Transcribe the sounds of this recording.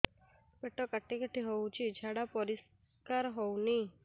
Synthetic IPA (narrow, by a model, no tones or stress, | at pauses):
peʈɔkaʈːikəʈʰiɦowt͡ɕid͡ʒʱaɽapɔɾis | kaɾɦowni